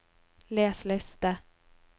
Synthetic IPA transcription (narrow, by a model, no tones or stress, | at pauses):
lɛːslɛst̪a